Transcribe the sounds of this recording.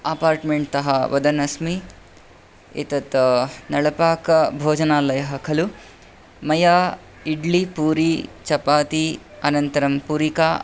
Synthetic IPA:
ɐpaːɾʈmeɳʈ̚t̪ɐɦɐʋɐd̪ɐnɐsmi | ḭt̪ɐt̪nɐɽɐpaːkɐbʱoːd͡ʒɐnaːlɐjɐɦɐkʰɐlu | mɐjaː | iɖlipuːɾit͡ʃɐpaːt̪i | ɐnɐnt̪ɐɾɐmpuɾikaː

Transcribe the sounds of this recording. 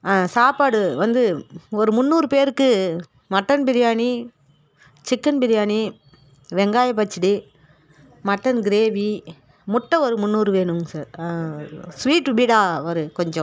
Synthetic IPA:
saːpaːɽɯʋɐnd̪ɯɔɾɯmʊnːuːɾɯpeːɾɯkːɯ | mɐʈːɐnbɪɾɪjaːɳi | t͡ʃɪkːɐnbɪɾɪjaːni | ʋɛŋɡaːjɐp̬ːɐt͡ʃːɪɽi | mɐʈːɐnɡɪɾeːʋi | mʊʈːɐɔɾɯmʊnːuːɾɯʋeːɳɯmsaːɾ | sʋiːʈʋiːɽaːɔɾɯkɔɲd͡ʒɔ̃

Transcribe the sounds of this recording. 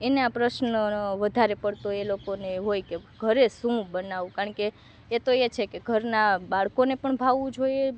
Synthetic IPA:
eneapɾəʃnʋəd̪ʱaɾepəɽt̪oelokoneɦojkeɡʱəɾeʃũbənaʋũkaəɳkeː | t̪oet͡ʃʰekeɡʱəɾnabaɭkonepəɳbʱaʋũd͡ʒʱoje

